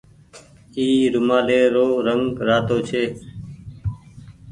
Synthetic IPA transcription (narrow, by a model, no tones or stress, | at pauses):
iːɾʊmaːleːɾoːɾəŋɡɾaːt̪oːt͡ʃʰeː